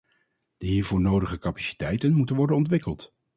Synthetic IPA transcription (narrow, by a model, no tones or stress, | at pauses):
d̥əɦiːɹvʊːɹnowdəχəkapḁsi̥tɛjtənmutənʋɔɹdənɔntʋɪkəlˠt